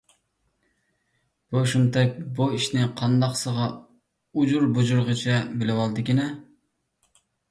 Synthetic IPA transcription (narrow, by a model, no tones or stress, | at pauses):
b̥oʃunt̪ʰɛk̚ʲbuiʃnɪqʰɑnd̪ɑqsəʁɑ | ud͡ʒuɾbud͡ʒuɾʁət͡ʃʰɛbɪlɪwɑlˠd̪ɨkʲinɛ